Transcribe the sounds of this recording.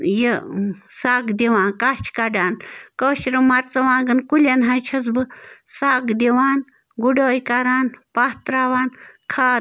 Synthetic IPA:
jesaːɡd̪eʋãːnkat͡ʃʰkɐɖaːnkoːʃɾɐmɐɾt͡sɐʋãːɡɐnkulʲɐnɦant͡ʃʰɐs̬bɨsaːkd̪ʲeʋaːn | ɡuɖoːjkaɾaːnpaht̪ɾaːʋaːnkʰaː

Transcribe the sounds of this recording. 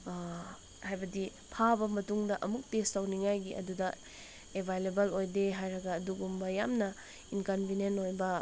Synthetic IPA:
hajbɐdi | pʰabɐmɐtuŋdɐʔɐmuk̚testawniŋajɡiʔɐ̰dudɐ | ebʱajlebɐlojdeɦajɾɐɡɐːduɡumbɐjamnɐ | inkɐnbʱinenojbɐ

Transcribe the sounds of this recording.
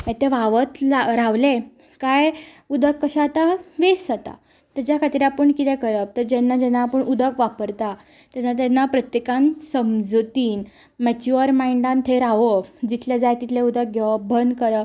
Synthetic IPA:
ɛ̃t̪eʋaʋət̪laɾaʋle | kaj | ud̪ʱəkːəɕat̪aʋeszat̪a̰ | t̪ad͡ʑjakʰat̪iɾapəɳkit̪ɛkəɾət̪əɾd͡ʑɛnːad͡ʑɛnːapəɳud̪ʱəkʋapəɾt̪a | t̪janːat̪̬ɛnːapɾət̪jekãnsəmd͡zut̪iːn | mɛt͡ɕuəɾmaiɳɖant̪ʰeɾaʋəd͡ʑit̪ʰljad͡zajt̪it̪ʰleud̪ək̚ɡʱeʋəbʱənd̪kəɾə

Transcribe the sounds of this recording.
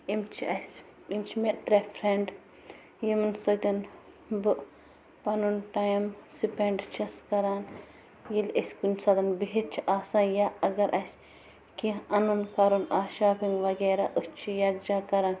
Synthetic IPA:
imt͡ʃʰiɐs | imt͡ʃʰmeʔt̪ɾɐfɾeɳɖ | jimɨnsod̪ʲɐn | bɨʔ | pɐnunʈajmsipeɳɖt͡ʃʰɐskɐɾaːn | jilɐsʲkunʲsɐd̪ɐnbiɦit̪̚t͡ʃʰiʔaːsaːnjaɐɡɐɾʔɐsʲ | kiɐnunkɐɾunaːʃaːpiŋɡʋɐɡeːɾaʔust͡ʃʰijɐɡ̚d͡ʒaːkɐɾan

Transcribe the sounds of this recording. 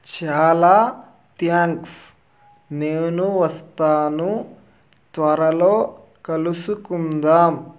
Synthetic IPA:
t͡ʃaːlaː | t̪jaːŋks | neːnuʋɐst̪aːnu | t̪ʋɐɾɐlo̞ː | kɐlusukund̪aːm

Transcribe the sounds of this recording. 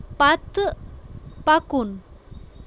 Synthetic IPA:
pat̪ə | pakun

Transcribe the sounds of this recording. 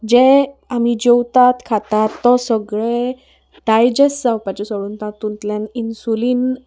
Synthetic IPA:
d͡ʑɛ̃am̤id͡ʑewt̪at̪kʰat̪at̪ːɔsəɡɭe | ʈajd͡ʑesːawpat͡ɕesoɽunt̪at̪ːunt̪lãninsuliːn

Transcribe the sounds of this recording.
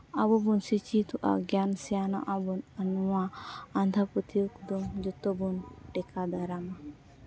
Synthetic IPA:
abɔbunsit͡ʃit̪uʔa̰ɡjansɛjana̰ʔabɔnanuwaːnd̪ʱapɔt̪iukd̪ɔmd͡ʒɔt̪ɔbunʈɛkad̪aɾama

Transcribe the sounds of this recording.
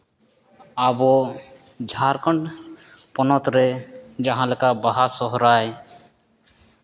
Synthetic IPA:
abɔ | d͡ʒʱaɾkɔɳɖ | pɔnɔt̪ɾɛd͡ʒaɦãlɛkabaɦasɔɦɾaj

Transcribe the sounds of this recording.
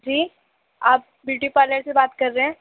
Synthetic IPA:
d͡ʒiː | aːp̚bjuːʈipaːɾləɾsebaːt̪kɐɾːeɦɛ̃ː

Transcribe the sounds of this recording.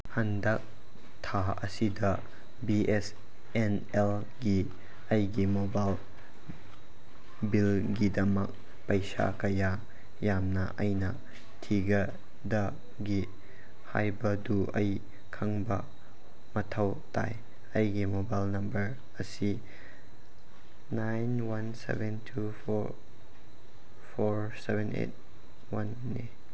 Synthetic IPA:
hɐndɐk̚ | tʰa | ɐ̰sidɐ | bies | en | el | ɡi | ɐjɡimobajl | bilɡidɐmɐk̚ | pɐjsa̰kɐja | jamnɐ̰ʔɐjnɐ | tʰiɡɐ | dɐ | ɡi | ha̰jbɐduʔɐj | kʰɐŋbɐ | mɐtʰɐw | ta̰j | ɐjɡimobajlnɐmbɐɾ | ɐsi | najnwɐnsḛbentʰu | pʰoɾsebenḛt̚ | wɐnːi

